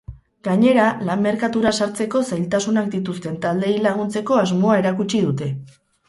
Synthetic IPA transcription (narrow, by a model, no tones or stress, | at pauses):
ɡaɲe̞ɾalamːe̞ɾkat̪uɾasaɾt͡se̞ko̞sajlt̪asunakd̪it̪ust̪e̞nt̪ald̪e̞jlaɣ̞unt͡se̞ko̞azmo̞ae̞ɾakut͡ʃiðut̪e̞